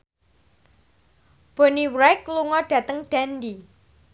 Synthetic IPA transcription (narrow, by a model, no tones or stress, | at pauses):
b̥ɔniwɾakluŋɔɖ̥ä̤t̪əŋɖ̥andi